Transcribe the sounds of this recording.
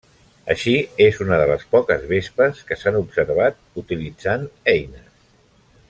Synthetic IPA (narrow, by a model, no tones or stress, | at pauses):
ə̰ʃiezunəðələspɔkəzβespəskəsanubsəɾβ̞at̪̚ | ut̪ilid͡zanɛjnəs